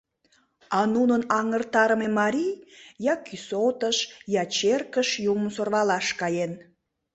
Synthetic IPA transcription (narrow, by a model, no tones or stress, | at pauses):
ɑnunənɑŋərt̪ɑɾəmemɑɾʲijjɑkʰysot̪əʃjɑt͡ɕerkəʃjuməmsorβɑlɑʃkɑjen